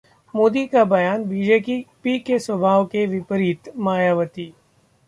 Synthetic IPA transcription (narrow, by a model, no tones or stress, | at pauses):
moːd̪ikabɐjaːnbiːd͡ʒeːpipikesʋəbʱaːʋkeʋɪpəɾɪt̪maːjaːʋət̪iː